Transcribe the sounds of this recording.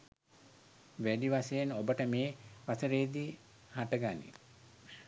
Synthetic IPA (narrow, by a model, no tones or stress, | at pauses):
ʋæɖiʋasejenobəʈəmeːʋasəɾeːd̪i | haʈəɡanḭ